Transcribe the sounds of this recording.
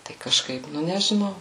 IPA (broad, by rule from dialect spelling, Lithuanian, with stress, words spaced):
tɐɪ kɐˈʃkɐɪp ˈnʊ nʲɛʒʲɪˈnɐʊ